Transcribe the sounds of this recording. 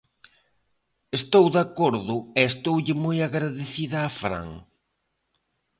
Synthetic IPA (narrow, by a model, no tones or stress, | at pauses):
est̪owðakoɾðʊɛːst̪owʎɪmojaɣɾaðeθiðɐːfɾa̰ŋ